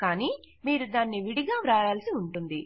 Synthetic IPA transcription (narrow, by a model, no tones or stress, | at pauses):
kaːniː | miːɾud̪aːnːiʋiɽiɡaːʋɾaːɾaːlsiuɳʈund̪i